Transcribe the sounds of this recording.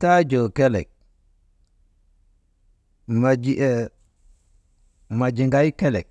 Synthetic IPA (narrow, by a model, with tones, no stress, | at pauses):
ta˦d͡ʒo˨ke˦lḛ˨k̚ | ma˨d͡ʒi˨e˨ | ma˨d͡ʒi˨ŋɡa˦i˦ke˦lḛ˨k̚